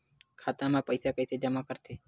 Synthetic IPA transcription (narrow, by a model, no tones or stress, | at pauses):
kʰat̪amãpəjsakəjsed͡ʒamakəɾt̪ʰe